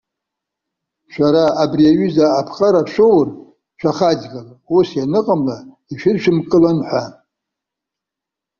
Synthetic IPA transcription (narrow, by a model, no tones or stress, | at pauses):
ʃʷᶣaɾaabriaɥyzaːpʰχʼaɾapʰʃʷowr | ʃʷʰaχad͡ʒɡalausjanɨqʼamla | iʃᶣɪrʃᶣɪmkʼɨlanħʷa